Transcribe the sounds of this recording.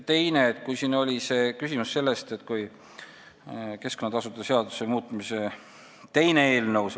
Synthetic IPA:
t̪e̞jne̞ːt̪kujsino̞lʲise̞ːkysimusːe̞lːest̪e̞t̪kuj | ke̞sko̞nːɑt̪ɑsut̪ˑɑseɑd̪̥usemuːt̪ˑmise̞ | t̪e̞jnee̞ːlnəws

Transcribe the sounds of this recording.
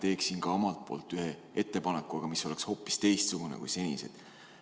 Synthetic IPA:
t̪e̞ːksinkɑomɑlt̪̚po̞̰ːlt̪ːˑyɦee̞t̪ːe̞pɑnekːˑuɑɡ̥ɑmiso̞le̞ksho̞ːpːˑi̥st̪e̞jst̪suɡ̥unḛkujse̞nʲisḛd̪̥

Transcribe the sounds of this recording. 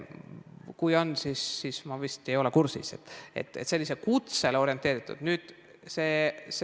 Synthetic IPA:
kujo̞nsisːismɑvist̪ejo̞lekursḭse̞t̪ːḛt̪ːˑet̪selːise̞kut̪selo̞ɾʲjent̪ːˑe̞ːɾit̪ˑːṵd̪̥nyːd̪̥ | se̞ːs

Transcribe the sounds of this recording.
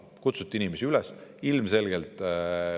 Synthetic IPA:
kut̪sut̪ːˑiinimesiylɛsilmse̞lɡ̥elt̪ˑ

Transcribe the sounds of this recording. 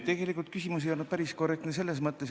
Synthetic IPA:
t̪e̞ɡ̥e̞likˑult̪kysʲimus̬ejo̞nud̪̥̚pæɾiskore̞kt̪nes̬e̞lːes̬mɤt̪ːˑes

